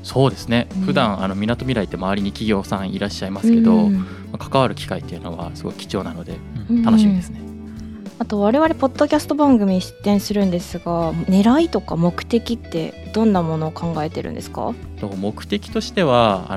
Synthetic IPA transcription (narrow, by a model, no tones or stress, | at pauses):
so̞ːd̪e̞sɨne̞ɸɯ̟d̪ãɰ̃a̰no̞mʲinat̪o̞mʲiɾait̪ːe̞maβaɾʲiɲ̟ikʲiɡʲo̞ːsãɰ̃iɾaɕːaimasɨ̥ke̞d̪o̞ | makḁkaβaɾɯ̟kʲi̥kait̪ːe̞iɯ̟no̞βa̰sɨɡo̞ki̥kʲi̥t͡ɕo̞ːnano̞d̪e̞ | t̪ano̞ɕimʲid̪esɨne | at̪o̞βaɾe̞βaɾe̞po̞d̪̥ːo̞kʲasɨ̥t̪o̞bãŋɡɯ̟mʲiɲiɕi̥t̪ːẽ̞ɰ̃sɨɾɯ̟̃nd̪e̞sɨɡamne̞ɾait̪o̞kamo̞kɯ̟̥t̪e̞kʲit̪ːe̞̰ | d̪̥õ̞nːamo̞no̞ːkãŋɡae̞t̪e̞ɾɯ̟̰nd̪esɨ̥ka̰t̪omo̞kɯ̟̥t̪e̞kʲi̥t̪o̞ɕi̥t̪e̞βa̰